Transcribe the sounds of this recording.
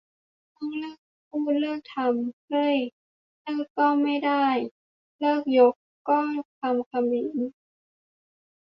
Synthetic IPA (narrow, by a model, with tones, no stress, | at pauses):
t̪ɔ˥˩ŋlɤː˥˩k̚pʰuː˥˩t̪̚lɤː˥˩k̚t̪ʰa˧mkɤ˧˥˩j | lɤː˥˩kkːɔː˥˩ma˥˩jda˥˩j | lɤː˥˩k̚jo˦˥kː | kːɔː˥˩t̪ʰa˧mkʰa˧miː˩˦n